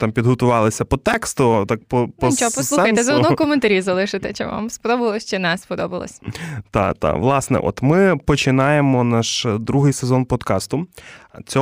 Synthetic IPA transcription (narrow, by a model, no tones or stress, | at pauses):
t̪ɑmpʲid̪ɦɔt̪ʊʋɑlˠɪsʲɐpɔt̪ɛkst̪ɔt̪ɑk̚pɔpɔt͡ʃɔpɔlˠxɐjt̪ezɔɔd̪ɔkɔment̪ɐɾʲizɐlˠɪʃɪt̪ɛt͡ʃɛ̰ʋa̰mspɔd̪ɔbɐlˠɔsʲt͡ʃɛnɛspɔd̪ɔbɐ̰lˠɔ̰sʲt̪ɑ̰t̪ɑ̰ʋlˠɑsnɛ̰ʔɔ̰t̪mɪpɔt͡ʃɪnɑjemɔnɑʃd̪ɾuɦɪjsezɔnpɔd̪kɑst̪ʊt͡sʲɔ